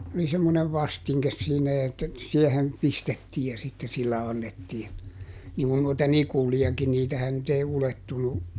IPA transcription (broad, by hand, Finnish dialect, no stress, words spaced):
oli semːoneʋ ʋɑstiŋkes siːnæ etːæ siɛhen pistetːiː jɑ sitːe silːæ ɑnːetːiːn niŋkun noitɑ nikuliɑki niːtæhæn nyt ei uletːunu